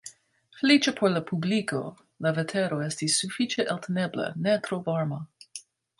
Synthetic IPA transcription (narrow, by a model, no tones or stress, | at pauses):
flit͡ʃəpʰoɾlapʰubliko | lavetʰeɾoest̪isːufit͡ʃeʔelt̪ʰeneblə̰nɛt̪ɾovaɾma